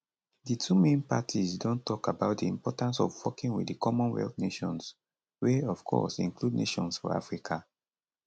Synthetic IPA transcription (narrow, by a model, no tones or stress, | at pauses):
ditʰumẽnpatʰizdõntʰɔkabaʊt̚diĩmpɔtãnsɔvwɔkĩŋwḭddikʰɔmɔ̃nwɛ̰ltneʃɔ̃ns | weɔv̥kʰɔ̰sḭ̃ŋkludneʃɔ̃nsfɔ̰a̰fɹikʰa